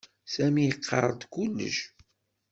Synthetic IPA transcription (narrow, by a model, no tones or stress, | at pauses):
sæmijəqːɑ̰rˤːəd̪kulːə̰ʃ